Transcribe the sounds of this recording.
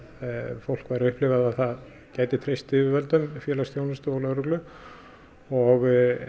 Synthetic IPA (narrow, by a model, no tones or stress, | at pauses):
fowl̥kvaːɾɪʏhplɪvaðaðθað | caːjt̪ɪt̪ʰɾejst̪ɪvʏvɛlt̪ʏmfjɛːlast̪jownast̪ʏɔlœɾʏklʏ | ɔɣ